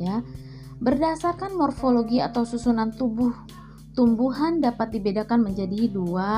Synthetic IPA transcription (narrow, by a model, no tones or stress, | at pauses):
ja | bərdasarkanmɔrfoloɡiat̪awsusunant̪ubʊh | t̪umbuɦandapat̪̚dibedakanməɲd͡ʒadiɦidua